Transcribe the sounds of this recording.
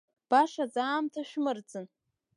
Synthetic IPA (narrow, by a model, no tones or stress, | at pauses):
b̥aʂad͡zaːmtʰaʃᶣmɨrd͡zɨn